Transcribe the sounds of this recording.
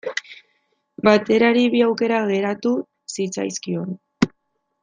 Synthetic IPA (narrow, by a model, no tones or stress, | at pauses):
bat̪e̞ɾaɾiβiawke̞ɾaɣe̞ɾat̪u | sit͡sa̰jskio̞n